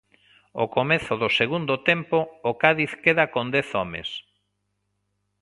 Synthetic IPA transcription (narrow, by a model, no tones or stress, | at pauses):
o̰komeθʊðʊseɣund̪ʊt̪empoːkaðiθkeðakond̪ɛθɔmḛs